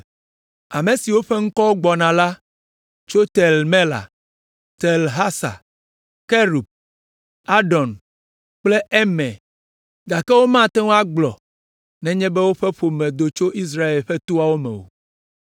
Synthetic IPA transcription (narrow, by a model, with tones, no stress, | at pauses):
a˨mẽ˨si˨wo˦ɸe˦ŋ̩˦kɔ˦wo˦ɡ͡bɔ˨nã˨la˦ | t͡ʃo˦t̪ɛ˨lmɛ̃˦la̰˨ | t̪ɛ˨lɦa˦sa̰˨ | ke˦ɾu˨b̚ | a˦ɖɔ˨n | k͡ple˦ʔɛ˦mɛ̰̃˨ | ɡa˨kɛ˦wo˦mã˦t̪ɛ˦wo˦a˦ɡ͡blɔ̰˨ | nɛ̃˦ɲɛ̃˦bɛ˦wo˦ɸɛ˦ɸo˨mɛ̃˨d̪o˨t͡ʃo˦ʔi˦s̬ɾa˦e˨lɸɛ˦t̪o˦a˦˨wo˦mɛ̰̃˨wo̰˨